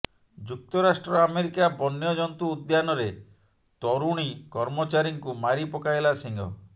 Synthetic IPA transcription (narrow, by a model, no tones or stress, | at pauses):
d͡ʒuk̚t̪ɔɾasʈɾɔameɾikabɔnːjɔd͡ʒɔnt̪uːd̪janɔɾe | t̪ɔɾuɽ̃ikɔɾmɔt͡ʃaɾiŋkumaɾipɔkajlasiŋɡɔ̰